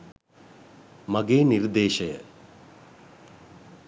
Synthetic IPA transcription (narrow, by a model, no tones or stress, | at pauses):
mɐɡeːnird̪eːʃɐjə̰